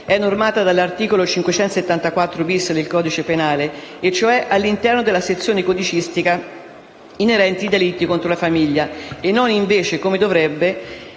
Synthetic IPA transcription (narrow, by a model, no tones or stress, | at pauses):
ɛnːormaːt̪ad̪alːart̪iːkolot͡ʃiŋkwet͡ʃɛnt̪os̬et̪ːant̪akwat̪ːɾobisːed̪elkɔːd̪it͡ʃepenaːleːt͡ʃːoɛʔalːint̪ɛrnod̪elaset̪sːjoːnekod̪it͡ʃist̪ika | ineɾɛnt̪id̪elit̪ːikont̪ɾolafamiʎːaenːoniɱveːt͡ʃekomed̪ovɾɛbːe